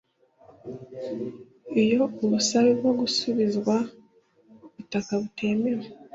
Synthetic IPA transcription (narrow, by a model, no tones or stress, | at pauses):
ejo̞oβusaβiβwo̞ɡusuβizβwa | βutakaβutʰe̞ːmeɾe